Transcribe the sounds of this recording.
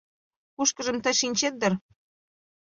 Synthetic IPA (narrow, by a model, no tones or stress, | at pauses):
kuʃkə̆ʒə̆mt̪ə̆ʃinʲt͡ɕet̪̚d̪ə̆r